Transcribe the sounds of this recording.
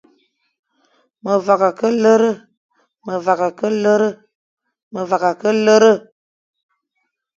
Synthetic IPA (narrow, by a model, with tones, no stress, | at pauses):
mə˨va˨ka˨kə˦lə˦ɾə˦ | mə˨va˨ka˨kə˦lə˦ɾə˦ | mə˨va˨ka˨kə˦lə˦ɾə˦